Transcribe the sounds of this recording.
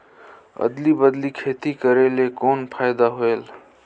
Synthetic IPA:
ə̰d̪libəd̪likʰet̪ikəɾelekonpʰajd̪aɦoel

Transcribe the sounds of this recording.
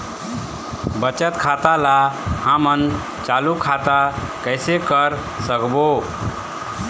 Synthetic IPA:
bət͡ʃət̪kʰat̪alahamən | t͡ʃalukʰat̪a | kəɪsekəɾ | səkbo

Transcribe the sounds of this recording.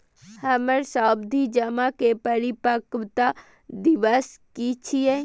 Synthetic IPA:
hɐməɾsaːbd̪ʱid͡ʒɐmakepəɾipəkʋt̪a | d̪iʋəskit͡ʃʰije

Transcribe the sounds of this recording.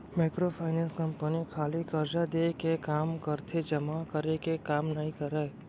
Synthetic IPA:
meːkɾopʰaːɪnẽːnskəmpənikʰaːlikɐɾd͡ʒad̪eːkekaːmkəɾt̪ʰed͡ʒɐmakəɾekekaːmnɐɦĩkəɾəe

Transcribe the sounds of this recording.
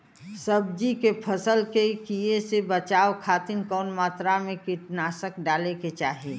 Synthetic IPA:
səb̚d͡ʒikepʰəsəlkekiesebət͡ʃaːokʰaːt̪ɪnkɔːnmaːt̪ɾamẽkɪʈnaːsəkɖaːleket͡ʃaːɦie

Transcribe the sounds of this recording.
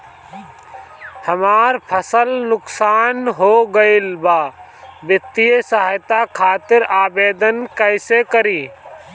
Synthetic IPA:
həmaːɾpʰəsəlnʊksaːnɦoːɡəɪlbaː | bɪt̪ːijesəɦaːjt̪akʰaːt̪ɪɾaːbeːd̪ənkəɪsekəɾiː

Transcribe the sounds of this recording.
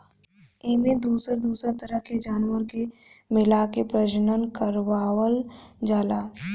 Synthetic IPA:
eːmẽd̪uːsəɾd̪uːsəɾt̪əɾəɦked͡ʒaːnwəɾke | mɪlakepɾəd͡ʒnənkəɾʋaːwəld͡ʒaːlaː

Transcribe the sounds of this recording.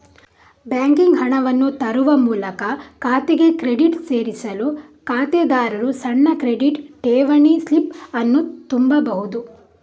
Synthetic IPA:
bjaːŋkiŋɡɦɐɳɐʋɐnːut̪ɐɾuʋɐmuːlɐkɐkaːt̪eɡe̞kɾe̞ɖiʈse̞ːɾisɐlu | kaːt̪ed̪aːɾɐɾusɐɳːɐkɾe̞ɖiʈʈeːʋɐɳislipɐnːut̪umbɐbɐɦud̪u

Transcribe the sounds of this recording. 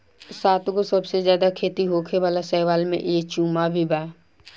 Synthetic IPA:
saːt̪ɡosɐbsezjaːd̪akʰeːt̪iɦoːkʰeʋaːlasɛːʋaːlmḛ̃ʔeːt͡ʃũːmabʱibaː

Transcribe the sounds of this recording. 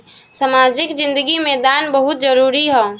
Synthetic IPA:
səmaːd͡ʒɪkd͡ʒɪ̃nd̪əɡimed̪aːnbəɦʊt̪̚d͡ʒəɾuːɾiɦɛː

